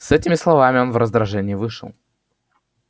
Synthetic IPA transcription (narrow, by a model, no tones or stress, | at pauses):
sɛtʲɪmʲɪslˠɐvamʲɪo̞nvɾəzd̪ɾɐʐɛnʲɪɪvɨʂɨ̰lˠ